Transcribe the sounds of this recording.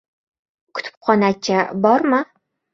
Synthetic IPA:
kʰʊ̥t̪ʰʊ̥pp̚χɒnat͡ʃʰabɒɾmɪ

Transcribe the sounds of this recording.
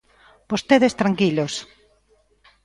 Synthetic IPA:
b̥ost̪eðest̪ɾaŋkilos

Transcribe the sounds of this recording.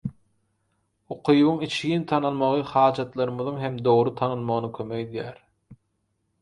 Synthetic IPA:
oqʰujβuŋit͡ʃʰint̪ʰɑnɑlˠmɑʁɯχɑːd͡ʒɑt̪lˠɑɾɯmɯðɯŋɦemd̪o̞ʁɾut̪ʰɑnɯlˠmɑʁɯnɯkʲʰømeked̪jæːɾ

